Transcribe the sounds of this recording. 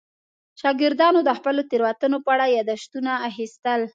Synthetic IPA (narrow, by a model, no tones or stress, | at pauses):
ʃɑɡɪɾd̪ɑnod̪əxpəlot̪eɾwat̪ənopəaɽajɑd̪aʃt̪unaːxist̪əl